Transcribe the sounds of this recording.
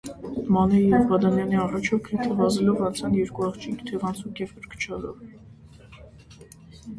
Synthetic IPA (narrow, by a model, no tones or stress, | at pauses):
mɑnɛjɛvbɑd̪ɑnjɑniɑrɑt͡ʃʰɔkʰɛt̪ʰəvɑzɛlɔvɑnt͡sʰɑnjɛɾkuɑχt͡ʃʰikt̪ʰɛʁɑnt͡sʰukjɛvpəɾkʰə̥t͡ʃʰɑlɔ̰v